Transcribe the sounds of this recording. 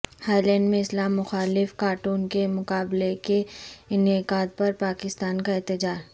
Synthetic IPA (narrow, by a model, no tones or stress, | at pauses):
haːlɛ̃ːɳɖmẽɪslaːmːʊxaːlɪfkaːɾʈuːnkemʊkaːblekeɪnɪqaːd̪̚pɐɾpaːkɪst̪aːnkaɪːt̪ɪd͡ʒaːɾ